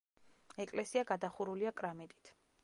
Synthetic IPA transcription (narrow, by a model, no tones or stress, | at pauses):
ɛkʼlɛsiaɡad̪aχuɾuliakʼɾamit̪ʼit̪ʰ